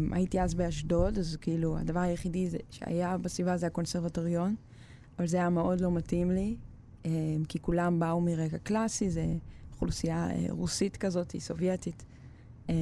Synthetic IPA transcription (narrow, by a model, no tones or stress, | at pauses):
mʔa̰jitiazbeaʃdo̞dazkeilua̰davaʁajeχidizeʃea̰jabasvivazeako̞nseʁvatoʁjo̞n | avalzeajameʔo̞dlo̞matimli | emkikulambaumiʁekaklasizeχulusijaḛʁusitkazo̞tḭso̞vjetit | e